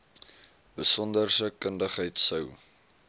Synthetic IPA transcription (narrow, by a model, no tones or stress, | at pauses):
bəsɔndərsəkəndəχɦəjtsəw